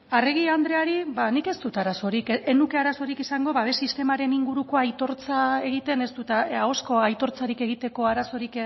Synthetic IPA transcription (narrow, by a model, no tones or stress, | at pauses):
areɣ̞iand̪ɾe̞aɾibanike̞st̪ut̪aɾaso̞ɾikenuke̞aɾaso̞ɾikisaŋɡo̞βaβe̞sist̪e̞maɾe̞niŋɡuɾuko̞ajt̪o̞ɾt͡sae̞ɣ̞it̪e̞ne̞st̪ut̪aaosko̞ajt̪o̞ɾt͡saɾike̞ɣ̞it̪e̞ko̞aɾaso̞ɾik